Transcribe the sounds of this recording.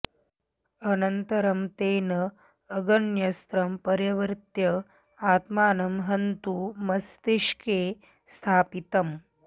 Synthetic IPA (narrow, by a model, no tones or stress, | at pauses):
ɐnɐnt̪ɐɾɐmt̪eːnɐː | ɡɐnjɐst̪ɾɐmpɐɾjɐʋɾt̪jɐ | aːt̪maːnɐmɦɐnt̪umɐst̪iʂkeː | st̪ʰaːpit̪ɐm